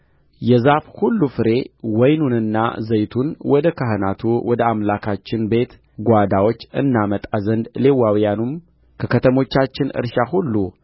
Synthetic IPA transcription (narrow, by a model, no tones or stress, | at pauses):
jɛzafhulːufɨɾe̞wɔjnunɨnːa̰zəjt̪ʰunwɔd̪əkʰahɨnat̪ʰuwɔd̪əamlakʰat͡ʃːɪnbe̞t̪ | ɡʷad̪awo̞t͡ʃːɨ̰nːamət̪ʼazənd̪le̞wːawijanum | kʰəkʰət̪ʰəmo̞t͡ʃːat͡ʃːɪnɨ̰ɾʃahulːu